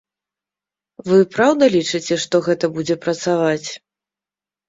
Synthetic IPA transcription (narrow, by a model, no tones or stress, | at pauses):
vɨpɾawd̪ɐlʲit͡ʂɨt͡sʲɛʂt̪ɔɣɛt̪ɐbud͡zʲɛpɾɐt̪savat͡sʲ